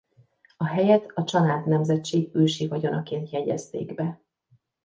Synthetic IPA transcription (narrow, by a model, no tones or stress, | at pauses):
ɒɦɛjɛt̪ɒt͡ʃɒnaːt̪nɛmzɛt͡ʃːeːɡøːʃivɒɟo̞nɒkeːnt̪jɛɟɛ̰st̪ḛːɡbɛ